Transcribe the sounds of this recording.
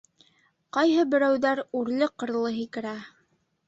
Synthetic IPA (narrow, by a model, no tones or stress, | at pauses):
qɑjɦɤbɘ̆ɾæwðæɾʉɾlɘqɤ̆ɾlˠɤɦikɘ̆ɾæ